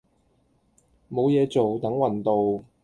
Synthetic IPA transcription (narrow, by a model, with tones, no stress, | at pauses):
mo˨˧wjɛː˨˧t͡so˨wt̪ɐ˨˥ŋwɐ˨˩nt̪o˨w